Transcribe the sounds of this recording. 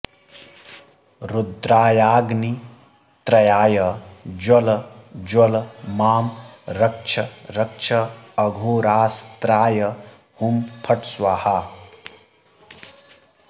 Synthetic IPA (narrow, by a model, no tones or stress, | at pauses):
ɾud̪ɾaːjaːɡni | t̪ɾɐjaːjɐd͡ʒwɐld͡ʒwɐlmaːmɾɐk̚t͡ʃʰɐɾɐk̚t͡ʃʰɐːɡʱoːɾaːst̪ɾaːjɐ | humpʰɐʈswaha